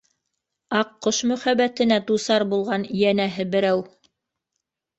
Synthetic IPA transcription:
ɑqːoʃmɵ̆χæβæt̪ɘ̆næd̪usɑɾbulˠʁɑnijænæɦɘbɘ̆ɾæw

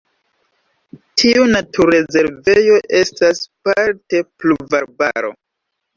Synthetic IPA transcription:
tʰiunatʰuɾe̞ze̞ɾvejo̞ʔe̞staspaɾte̞pluvaɾba̰ɾo̞̰

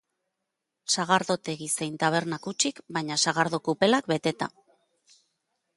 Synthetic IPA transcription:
saɣ̞aɾðo̞t̪e̞ɣisejnt̪aβ̞e̞ɾnakut͡ʃikbaɲasaɣaɾðokupe̞lakbe̞t̪e̞t̪a̰

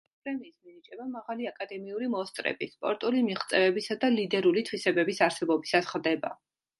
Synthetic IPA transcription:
pʼɾɛmiːsminit͡ʃʼɛbamaʁaliakʼad̪ɛmiulimɔst̪ʼɾɛ̰bispʼɔɾt̪ʼulimiχt̪sʼɛvɛbisad̪alid̪ɛɾulit̪ʰwisɛbɛbisaɾsɛbɔbisasχɾd̪ɛba̰

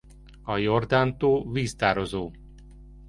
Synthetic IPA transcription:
ɒjord̪aːnt̪oːviːst̪aːɾozoː

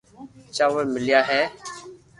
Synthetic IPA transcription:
t͡ʃaːʋəmɪlɪjaːɦɛː

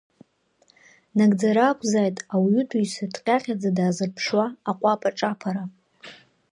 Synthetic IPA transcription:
naɡʼd͡zaɾaːkʷʰʼzaːjtʼawʊtʰujsadʼqʲʼaχʲad͡zadaːzɨrpʰʂwaːqʷʼapʼaʈ͡ʂʼapʰaɾa

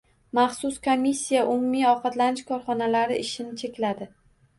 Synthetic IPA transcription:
mɑχsʊskʰomʲːisʲːijaʔʊmumiɒqɑt̪lanɪʃkʰɒɾχɒnalaɾɪʔɪʃɪnɪt͡ʃʰe̞kʲlad̪ɪ

